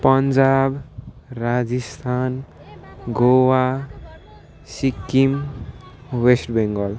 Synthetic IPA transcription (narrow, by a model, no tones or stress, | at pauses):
pʌnd͡zab | rad͡zist̪ʰan | ɡowa | sikːim | wesʈbeŋɡʌl